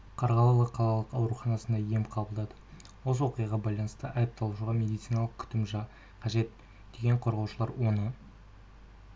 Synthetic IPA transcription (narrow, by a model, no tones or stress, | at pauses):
qʰɑɾʁɑlˠɑlˠəqʰːɑlˠɑlˠəqɑwɾuχɑnɑsənd̪ɑje̞mqʰɑbəlˠd̪ɑd̪ə | wos̬əwo̞qijɑʁɑbɑjlˠɑnəst̪əʔɑjəp̚t̪ɑlˠuʃuʁɑmʲe̞d̪ijt̪sijnɑlˠəq̚kʲʰʏ̥t̪ɪmʒɑ | qʰɑʒe̞t̪ | d̪̥e̞ɡʲe̞ɴqʰo̞ɾʁɑwʃəlˠɑɾwo̞nə